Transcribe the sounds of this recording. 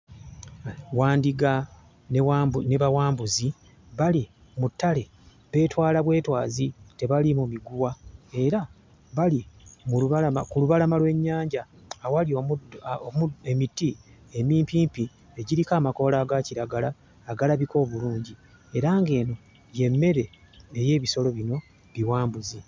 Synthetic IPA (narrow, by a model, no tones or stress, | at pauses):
waːndiɡa | nːneβawaːmbuzi | βali | mutːale̞ | βe̞ːtwaːlaβwe̞ːtwa̰ːzite̞βalimumiɡuwae̞ɾa | βalimuuβaamakuluβalamalwe̞ɲːaːɲɟawalio | muemitːiemiːmpiːmpi | e̞ɟiɾikaːmako̞ːlaːɡaciɾaɡalaː | ɡalaβiko̞ːβuluːɲɟi | e̞ɾaːŋɡe̞ːno̞ | je̞mːe̞ɾe̞ː | je̞ːβiso̞lo̞βino̞ | βiwaːmbuzi